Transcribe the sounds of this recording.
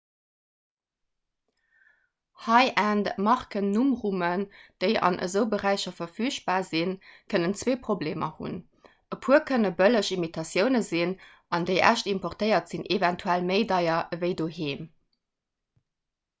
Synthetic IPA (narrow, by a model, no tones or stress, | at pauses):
hɑɪʔæːndmɑʁkənːumʁumənd̥əɪɑ̰nʔə̰zəʊbəʁæɪɕɐfɐfyːɕb̥aːzinkʰənənt͡sw̥eːpʁobleːmɐ̰hṵn | əpʰuɐkʰənəbələʃimitʰɑsjəʊnəzin | ʔɑndəɪʔæ̰ʃtimpɔʁtəɪɐtz̥inʔevæntʰuælməɪdɑɪɐvəɪdoːheːm